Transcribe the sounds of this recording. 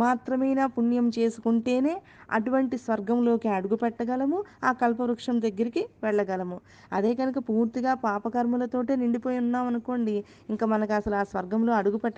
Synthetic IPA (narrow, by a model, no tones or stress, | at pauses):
maːt̪ɾɐmɐjnaːpunjɐmt͡ʃe̞ːsu̥kuɳʈe̞ːne̞ː | ɐ̰ʈuʋɐɳʈisʋɐɾɡɐmlo̞ːkiɐɽuɡupɛʈːɐɡɐlɐmuaːkɐlpɐʋɾukʂɐmd̪ɐɡːɐɾikiʋɛɭːɐɡɐlɐmu | ɐ̰d̪e̞ːkɐnukɐpuːɾt̪iɡaːpaːpɐɡɐɾmulɐt̪o̞ːʈeːniɳɖipoːjunːaːmɐnuko̞ːɳɖi | iŋkaːmɐnɐkiɐsɐluaːsʋɐɾɡɐmlo̞ːɐɽuɡupɛʈː